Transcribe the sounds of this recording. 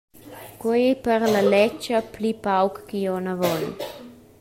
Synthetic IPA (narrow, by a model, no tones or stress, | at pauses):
kwɔjepərlalɛt͡ʃəplipawkːijɔnavɔnḭ